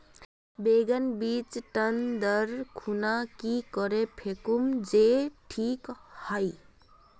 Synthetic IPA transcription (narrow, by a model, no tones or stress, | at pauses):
beːɡənbiːt͡ʃʈənd̪əɾkʰunakikɔɾepʰekumd͡ʒeʈʰiːkhəi